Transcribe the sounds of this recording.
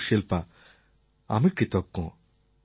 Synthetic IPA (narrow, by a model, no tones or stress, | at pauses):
ʃelpa | a̰mikɾit̪ɔkːɔ̰̃